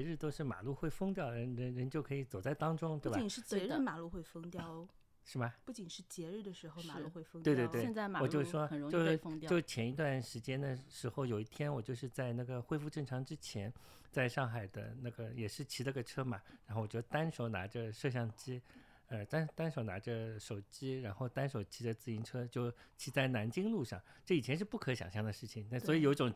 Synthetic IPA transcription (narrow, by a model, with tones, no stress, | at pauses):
ɛ˧˥ɻ̩˥˧t̪o˥ʊʂɻ̩˥˩ma̰˨˩lu˥˧xwe˥˩ɪfɤ˥ŋt̪jɑ˥˩ʊə˧˥nɻə˧˥ɻə˧˥nt͡ɕjo˥˩ʊkʰɤ˧˥i˧˥t͡so˨˩ʊt͡sa˥˩ɪt̪ɑ˥ŋʈ͡ʂʊ˥ŋt̪we˥˩bat͡ɕi˨˩ʂɻ̩˥˩t͡ɕɛ˧˥ɻ̩˥˩ma˨˩lu˥˧xwe˥˩ɪfɤ˥ŋt̪jɑ˥˧ʊ | ʂɻ̩˥˩bɐ˩pu˥˩t͡ɕi˨˩nʂɻ̩˥˩t͡ɕjɛ˧˥ɻ̩˥˩d̪ə˩ʂɻ̩˧˥xo˧ʊma˨˩˧u˥˧xwe˥˩ɪfwe˥˧t̪we˥˧t̪wɛ˧nt͡sa˥˩ɪma˨wɔ˨˩t͡ɕjo˥˧ʊʂwɔ˥˨˩ɻt͡ɕo˥˧˥ʊʂŋt̪jjʂɻ̩˥˩t͡ɕʰjɛ˧˥ni˧˥t̪wa˥˩nʂɻ̩˧˥t͡ɕjɛ˥nd̪ə˨ʂɻ̩˧˥xo˧ʊjo˨˩ʊi˥˩t̪ʰjɛ˥nwɔ˨˩t͡ɕjo˥˧ʊʂɻ̩˥˧t͡sa˥˧ɪna˥˩ɡə˩xwe˥ɪfu˥˧ʈ͡ʂɤ˥˩ŋʈ͡ʂʰɑ˧˥ŋʈ͡ʂɻ̩˥t͡ɕʰjɛ˧˥n | t͡sa˥˧ɪʂɑ˥˩ŋxa˨˩ɪd̪ə̰˦na˥˩ɡə˩jɛ˨˩ʂɻ̩˥˩t͡ɕʰi˧˥la˥˧ɡə˩ʈ͡ʂʰɤ˥ma˨˩ɻa˧˥nxo˥˩wɔ˨˩t͡ɕo˥˩t̪a˥nʂo˨˧˥ʊna̰˧˥ʈ͡ʂə˧ʂɤ˥˧ɕ̬jɑ˥˩ŋt͡ɕi˥ | ə˧t̪a˥nt̪a˥nʂo˨˩ʊna˧˥ʈ͡ʂə˧ʂo˨˩ʊt͡ɕi˥ɻa˧˥nxo˥˩ʊt̪a˥nʂo˨˩ʊt͡ɕʰi˧˥d̪ə˧t͡sɹ̩˥˩i˧˥nʈ͡ʂʰɤ˥t͡ɕjo˥˩ʊt͡ɕʰi˧˥t͡sa˥˩ɪna˧˥nt͡ɕi˥ŋlu˥˧ʂɑ̰˥˩ŋʈ͡ʂɤ˥˩i˨˩ɛ˧˥nʂɻ̩˥˧pu˥˩kʰɤ˧˥ɕjɑ̰˨˩ŋɕjɑ˥˩d̪ə˩ʂɻ̩˥˩t͡ɕʰi˨˩ŋ˥˩swɔ˧˥i˧jo˨˩ʊi˥ʈ͡ʂʊ˨˩ŋ